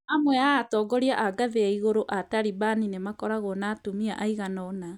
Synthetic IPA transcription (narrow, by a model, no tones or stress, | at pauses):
amwɛaːtɔːɡɔɾiaʔaɡaðeaiɣoɾoʔataɾibaninemakɔɾaɣɔnaːtumiaʔaiɣanɔna